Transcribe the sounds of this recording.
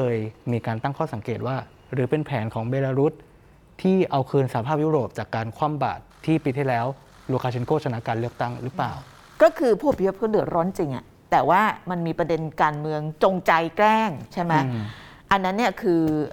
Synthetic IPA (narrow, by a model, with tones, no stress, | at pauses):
kʰɤː˧jmiː˧kaː˧nt̪a˥˩ŋkʰɔː˥˩sa˩˦ŋkeː˨˩t̪̚waː˥˩ | ɾɯː˩˦pe˧npʰɛː˩˦nkʰɔː˩˦ŋbeː˧laː˧ɾu˦˥t̪̚ʰː | iː˥˩ʔa˧wkʰɯː˧nsa˧˩˨a˧pʰaː˥˩p̚juː˦˥˩ɾoː˨˩p̚t͡ɕaː˨˩kːaː˧nkʰwaː˥˩mba̰ː˨˩t̪ʰːiː˥˩pi˧t̪ʰːiː˥˩lɛː˦˥w | luː˧kʰaː˧t͡ɕʰe˧nkʰoː˥˩t͡ɕʰa˧na˦˥kaː˧nlɯ˥˩ək̚t̪a˥˩ŋɾɯː˦˥plaː˨˩w | kɔː˥˩kʰɯː˧pʰu˥˩pʰi˧˥pʰɯ˥˩dɯ˨˩ətɾɔː˦˥nt͡ɕi˧ŋʔa̰˨˩ | t̪ɛː˨˩waː˥˩ma˧nmiː˧pɾa˧de˧nkaː˧nmɯ˧əŋt͡ɕo˧ŋt͡ɕa˧jklɛː˥˩ŋt͡ɕʰa˥˩jma˦˥ | ʔa˧nːa˦˥nːi˥˩ɐkʰɯː˧